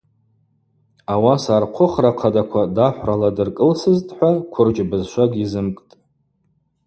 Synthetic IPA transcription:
awasaːrqʷʰʊχraqʰadakʷʰadaħʷraladɨrkʼɨlsɨztʼħʷakʷʰʊrd͡ʒbɨzʃʷaɡʲizɨmkʼtʼ

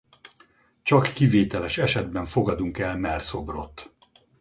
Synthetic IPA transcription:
t͡ʃɒkːiveːt̪ɛlɛʃɛʃɛd̪bɛɱfo̞ɡɒd̪uŋkɛlmɛrso̞bro̞t̪ː

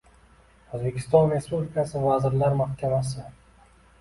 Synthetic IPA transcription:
ozbe̞kʲʰɪ̥st̪ɒnɾe̞spublikʰasɪvazɪɾlaɾmahkʲʰavas̬ɪ

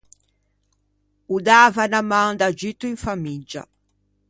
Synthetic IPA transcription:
ud̪aːvanamãŋd̪ad͡ʒit̪ːuiŋfamid͡ʒa̰

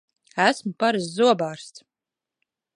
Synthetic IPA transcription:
æsmpaɾɨszuɔbaːɾst̪s

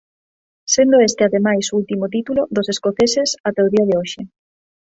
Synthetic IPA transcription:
send̪oest̪ɪaðemajsult̪imot̪̬it̪uloðoseskoθesesat̪ɛoðiaðeoʃɪ

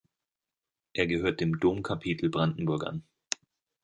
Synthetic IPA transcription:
ʔeːɐɡəɦøːɐt̚d̥eːmdoːmkʰapʰiːtʰl̩bʁandn̩bʊɐkʔa̰n

